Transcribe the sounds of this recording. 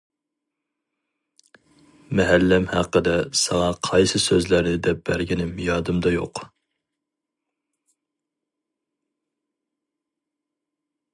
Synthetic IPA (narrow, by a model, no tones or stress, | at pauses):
mɛɦælːɛmhæqːəd̪ɛsɑŋɑqʰɑjsɨsøzlæɾnɪd̪ɛp̚b̥æɾɡʲinɪmjɑːd̪ɨmd̪ɑjo̰q